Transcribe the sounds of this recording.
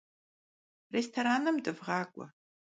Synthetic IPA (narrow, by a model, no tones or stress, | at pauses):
restʰoɾaːnɨmdɨvʁɑːkʷʼɔ̰